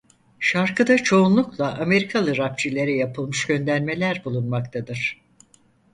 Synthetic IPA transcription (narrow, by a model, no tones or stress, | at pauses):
ʃaɾkɯd̪at͡ʃʰo̞unlˠuklˠaʔame̞ɾikʰalˠɯɾap̚t͡ʃʰilʲe̞ɾɛjapʰɯlˠmɯʃɟø̞nd̪æɾme̞lʲæɾbulˠunmakt̪ʰad̪ɯɾ̥